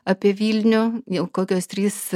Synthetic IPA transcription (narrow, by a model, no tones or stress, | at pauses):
ɑpʲiɛʋʲiːlʲnʲʊːɪlˠkoːkʲoːst̪ʲɾʲiːs